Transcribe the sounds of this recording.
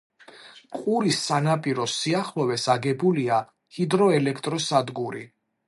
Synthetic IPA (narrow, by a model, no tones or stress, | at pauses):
qʼuɾisːanapʼiɾɔsiaχlɔvɛsaɡɛbulia | hid̪ɾɔɛlɛkʰt̪ʼɾɔsad̪ɡuɾḭ